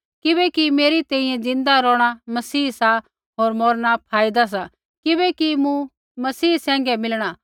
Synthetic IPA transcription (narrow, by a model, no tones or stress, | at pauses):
kɪbɛkimeːɾit̪ɛ̃ːĩjɛ̃d͡zɪ̃nd̪aɾɔːɽ̃amɐsiːsa | ɦoːɾmɔːɾñapʰaːɪd̪as̬a | kɪbɛkimũ | mɐsiːsɛ̃ːŋ̆ɡɛmɪlɽ̃a